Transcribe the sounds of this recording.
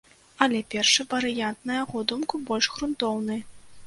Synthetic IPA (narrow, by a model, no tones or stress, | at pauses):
ɐlʲɛpʲɛrʂɨvɐɾɨjant̪nɐjaɣɔd̪umkubɔlʲʂɣɾunt̪ɔwnɨj